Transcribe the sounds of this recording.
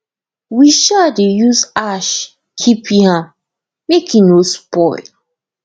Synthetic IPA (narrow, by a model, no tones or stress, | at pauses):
wiʃadejusaʃ | kʰipiãm | mekʰĩnospɔɪl